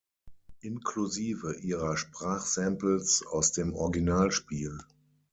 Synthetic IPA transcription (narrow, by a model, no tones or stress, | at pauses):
ʔɪnkʰluziːvəʔiːʁɐʃpʁ̥aːχsɛmpl̩sa̰ʊsd̥eːmʔɔɐɡinaːlʃpiːl